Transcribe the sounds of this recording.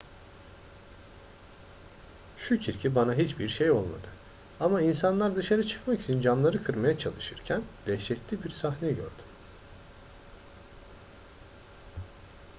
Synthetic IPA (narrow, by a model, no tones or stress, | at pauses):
ʃucʰiɾcʰibanaɦit͡ʃbiɾʃejo̞lˠma̰d̪ɯ | amainsanlˠaɾd̪ɯʃaɾɯt͡ʃʰɯ̥kmaki̥t͡ʃʰind͡ʒamlˠaɾɯkʰɯɾmajat͡ʃʰalˠɯʃɯɾcʰænd̪̥ɛʃɛclʲibiɾsaxnɛɟø̰ɾd̪ym